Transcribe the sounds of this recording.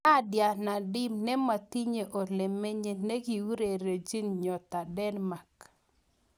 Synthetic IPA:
a˦dja˨na˨dɪ˦mnɛ˦ma˨t̪i˦ɲe˨ʔo˨le˨me˦ɲe˦ne˦ɡi˨u˦ɾe˨ɾe˨d͡ʒi˦nɲɔ˨t̪a˨dɛ˦nma˨k

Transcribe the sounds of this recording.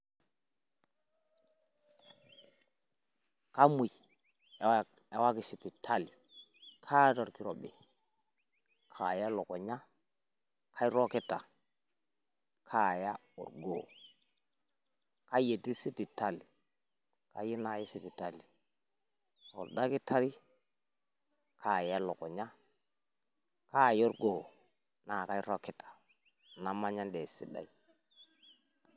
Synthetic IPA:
ka˦mu˨j | e˨wa˦ki˨si˨pi˨tʰa˦li˨ | kʰa˦tɔ˨ɾki˨ɾo˨ɓḭ˨ | kʰa˨ja˦lɔ˨kɔ˨ɲa˦ | kʰa˦i˦ɾo˦ke˦ta̰˨ | kʰa˦˨ja˦ṵ˨ɾɡo˨ | ka˦je˨ti˦si˦pi˨ta˦li˨ | ka̰˦ji˦na˦ji˦si˦pi˨ta˦li˨ | ɔ˨lda˦kɪ˦ta˦ɾi˦ | kʰa˦˨ja˦lɔ˨kɔ˨ɲa˦ | ka˦˨jo˦ɾɡo˦˨ | na˨ka˦jɾo˦kɪ˨˦tḁ˨ | na˦ma˦ɲa˦ndɛ˨sḭ˦da̰˨i˦

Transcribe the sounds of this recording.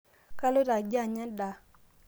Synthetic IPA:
ka˦lo˦ɾa˨d͡ʒa˦˨ɲa˦da˨

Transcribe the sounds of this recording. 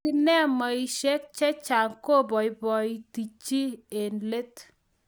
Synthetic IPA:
i˦nɛ˦ma˨i˦ʃɛ˦k̚t͡ʃɛ˦t͡ʃa˨ŋko˦˨bɔ˨jbɔ˨i˦ti˨t͡ʃi˦e˨nle˦t

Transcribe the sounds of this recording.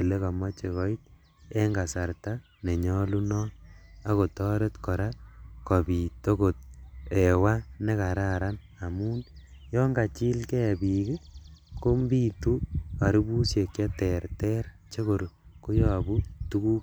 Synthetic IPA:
e˨le˦ka˨ma˦t͡ʃe˨ɣɔ˨˦it̚ | e˦ŋɡa˨sa˨ɾta | ne˨ɲɔ˦lu˦nɔa˦ko˨tɔ˦ɾe˦tkɔ˨ɾa˦kɔ˨bi˨to˦ko˨t̚ɛ˨wa˦ne˦ka˨ɾa˦ɾa˦n | a˨muː˦n | jɔ˦ŋɡa˨t͡ʃi˦lkɛ˦˨bi˨ke˦ko˦mbi˦tu˦a˨ɾi˦bu˦sje˨kjɛ˦tɛ˨ɾtɛ˦ɾt͡ʃe˦ko˨ɾo˨ko˦jɔ˨bu˦tu˦ku˦k

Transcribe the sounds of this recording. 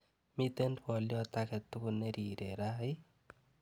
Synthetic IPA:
mi˦t̪e˦ndwɔ˨ljɔ˦t̪a˦kɛ˨t̪ʊ˦kʊ˦ne˦ɾi˨ɾe˨ɾa˦ɪ˦

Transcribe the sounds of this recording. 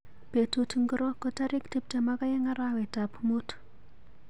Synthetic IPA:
b̥e˨tu˨tu˨ŋɡu˦ɾo˦ko˦ta˦ɾi˦kti˦p̚ta˨ma˦ka˦je˦ŋa˦ɾa˦wɛ˨ta˨pmu˦t

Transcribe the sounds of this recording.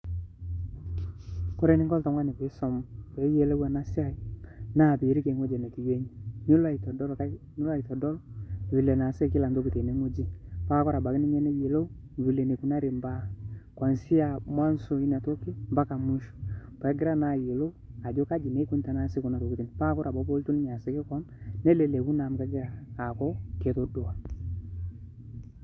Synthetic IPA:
kʊ˦ɾɛ˦nɪ˦ŋɡɔ˦lta˨ŋwa˦nɪ˨ke˨˦sɔ˨mpe˨˦je˨˦lo˦wa˨na˦sɪ˦a˦˨i˨na˦˨pe˨ɾi˦ke˨˦ŋwo˦d͡ʒe˨ne˨ki˨je˦ɲi˨ɲu˦la˨i˨tɔ˨dɔ˦lka˦ | ɲu˦la˦i˨tɔ˨dɔ˦lwi˨le˨na˨sɛ˦˨kɪ˦la˨ndo˦ku˨te˨ne˨˦ŋu˦d͡ʒi˦pa˦kɔ˦ɾa˨ba˨kɪ˦nɪ˦ɲɛ˦ne˦je˨lo˦ | vi˨le˨ne˨ku˨na˦ɾi˨mba˦ka˨nsi˦a˨mwa˦nso˨i˦na˨to˦kːi˦mba˦ka˨mu˦ʃu̥˨pa˨˦ɡɪ˦ɾa˦na˨je˨lo˦wa˨d͡ʒo˦ka˦d͡ʒi˨ne˦ku˦nta˨na˦se˦ku˨na˨ɾo˨ku˨ti˨n˨pa˦kɔ˦ɾa˨bɔ˨˦bo˦ltu˦n˦ɲa˨sɛ˦kɪ˦kɔ˦nː | ɛ˦le˨le˨ku˦na˨m˨ka˦ɡɪ˦ɾaː˨kɔ˦ke˨to˦du˨wa˨

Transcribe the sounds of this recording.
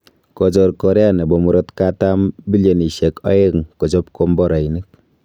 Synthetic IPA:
kɔd͡ʒɔ˨ɾkɔ˨ɾɛ˦anɛ˨bɔ˨mu˨ɾɔ˦tkata˦mbi˦ljɔ˨ni˨ʃɛ˨kɔ̰˦e˦ŋkɔ˨d͡ʒɔ˦p̚kɔ˦mbɔ˦ɾa˨inik̚

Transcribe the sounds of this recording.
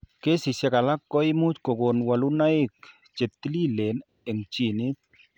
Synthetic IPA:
ke˦si˨se˦ka˨la˦kːɔ˦i˦mu˦t͡ʃko˨ko˨nwa˨lu˦na˦i˦k | t͡ʃe˨t̪ːi˦li˦le˨n | ɛ˨ŋt͡ʃi˦ni˦t̪̚

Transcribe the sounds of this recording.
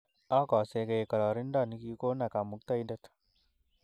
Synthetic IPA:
a˦kɔ˨se˧ke˨kɔ˨ɾɔ˨ɾi˦ndɔ˦˨ni˦ki˧ko˦na˨ka˨mu˨˦k̚t̪a˦i˦nda˦t

